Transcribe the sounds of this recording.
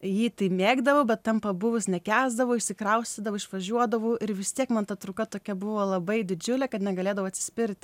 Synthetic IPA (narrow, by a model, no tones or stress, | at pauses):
jiːt̪ɐɪmʲeːɡd̪ɐʋoːbʲɛt̪t̪ːɐmpɐbʊʋʊsnʲɛkʲæːzd̪ɐʋoːɪʃʲsʲɪkɾɐʊsʲt̪ʲid̪ɐʋoːɪʃʋɐʒʲuɔd̪ɐʋoʔɪɾʋʲɪst̪ʲiɛkmɐnt̪ɐt̪ɾukɐt̪oːkʲɛbʊʋoːlˠɐbɐɪd̪ʲɪd͡ʒʲʊlʲɛkɐt̪nʲɛɡɐlʲeːd̪ɐʋʊːɐt̪ʲsʲɪ̥sʲpʲɪɾʲt̪ʲ